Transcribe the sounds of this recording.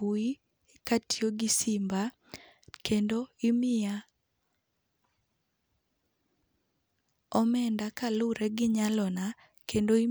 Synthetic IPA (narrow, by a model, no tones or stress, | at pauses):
ui | katʰioɡɪsimba | kendoɪmɪa | ɔmɛndakalʊɾɛɡɪɲalɔna | kendoi